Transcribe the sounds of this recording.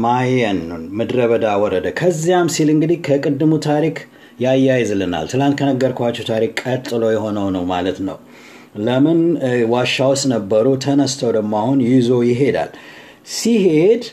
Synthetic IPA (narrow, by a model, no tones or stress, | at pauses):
majɛnumɨd̪ɾəβəd̪awɔɾəd̪əkʰəzːijamsilɨŋɡɨd̪ikʰəkʼɨd̪ːɨmut̪ʰaɾik | jajːajzlɨna̰lt̪ʰɨlant̪̚kʰənəɡːəɾkʰʷat͡ʃːɛwt̪ʰaɾikʼːət̪ʼːɨlo̞jɛɦo̞nəwnəwmalət̪nəw | ləmɨnwaʃːawɔsnəbːəɾut̪ʰənəst̪ʰəwd̪əmːahunjizo̞jɪɦe̞d̪a̰l | sihe̞d̪